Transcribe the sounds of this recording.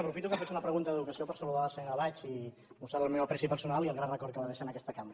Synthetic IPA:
əpɾufit̪ukəfasunəpɾəɣunt̪əðəðukəsiopəɾsəluðasənəβat͡ʃi | bust̪aɾəlˠmɛwɐpɾɛsipəɾsunaliəlˠɣɾanrəkɔɾt̪kəβaðɛʃənəkɛst̪əkambɾə

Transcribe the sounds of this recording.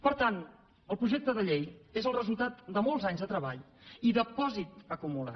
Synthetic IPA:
pəɾt̪an | əlˠpɾuʒek̚t̪əðəʎejezəlˠrəzulˠt̪at̪d̪əmolˠzaɲzðət̪ɾəβa̰ʎ | iðəpɔzit̪əkumula̰

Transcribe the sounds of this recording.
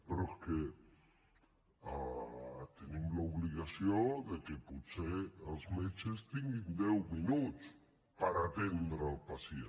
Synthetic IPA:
peɾoeske | a | t̪enimlauβliɣasjod̪ekeputseəlzmet͡ʃest̪iŋɡind̪ɛwminut͡s | paɾat̪end̪ɾalˠpasje

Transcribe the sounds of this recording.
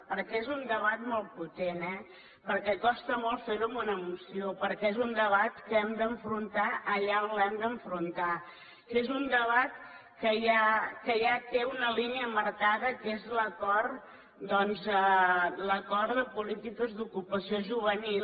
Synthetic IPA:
pəɾkɛezund̪əβat̪mɔlˠt̪̚put̪enɛ | pəɾkɛkɔst̪əmɔlˠfeɾumunəmusiopəɾkɛezund̪əβat̪kəɛmd̪əɱfɾunt̪aʔəʎaonlɛmd̪əɱfɾunt̪a | kezund̪əβat̪̚ | kəjakəjat̪eunəliniəməɾkaðəkezləkɔɾ | d̪ɔnzələkɔɾðəpulit̪ikəzðukupəsioʒuβ̞ənil

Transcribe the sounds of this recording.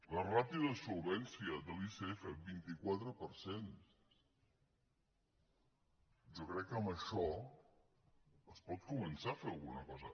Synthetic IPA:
lərapiðəsulˠβɛnsiəd̪əliseefebint̪ikwat̪ɾəpəɾsen | ʒɔkɾɛkːəmbəʃɔ | əspɔt̪̚kumənsafeɐlˠɣunəkɔzə

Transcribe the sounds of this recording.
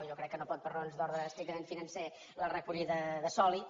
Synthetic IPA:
ʒokɾɛkːənopɔt̪̚pəɾnonzðɔɾðəːst̪ɾik̚t̪əmenfinənse | lərəkuʎiðəðəsɔli

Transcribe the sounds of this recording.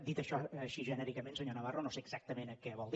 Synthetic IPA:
d̪it̪əʃɔəʃiʒənɛɾikəmẽnsəɲonəβ̞aronoseəɡzak̚t̪əmenəkɛβɔlˠd̪

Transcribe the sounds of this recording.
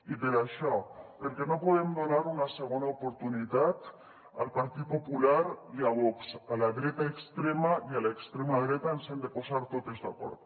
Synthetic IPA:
iðeɾaʃapeɾkeno̞poðemd̪o̞naɾunase̞ɣ̞onaopoɾt̪unit̪at̪ | a̰lpaɾt̪iðopopulaɾiaβoksalaðɾet̪aekst̪ɾemaialaekst̪ɾemaðɾet̪aensend̪e̞posaɾt̪ot̪ezða̰ko̞̰ɾðo

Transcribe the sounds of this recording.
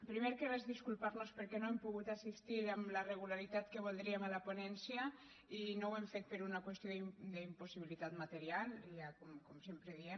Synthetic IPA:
pɾimeɾkerezðiskulˠpaɾnospəɾkɛnoempuɣut̪asist̪iɾamləreɣ̞ulaɾit̪at̪kəβ̞olˠd̪ɾiəmalaponɛnsja | inowemfet̪̚peɾunakwest̪joðid̪əimpusiβilit̪at̪mat̪eɾialˠakomkomsempɾeðie

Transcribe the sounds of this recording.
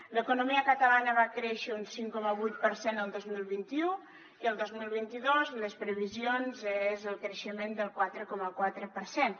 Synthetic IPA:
ləkunumiəkət̪əlanəβakɾɛʃəunsiŋkɔməβujt̪̚pəɾsenəlˠd̪ozmilˠβint̪iu | iəlˠd̪ozmilˠβint̪iðozləspɾəβizionzezəlˠkɾəʃəmend̪əlˠkwat̪ɾəkɔməkwat̪ɾəpəɾsen

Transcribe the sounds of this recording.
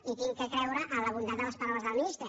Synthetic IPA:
it̪iŋkəkɾɛwɾəʔələβund̪at̪̚d̪ələspaɾawəzðəlmist̪e

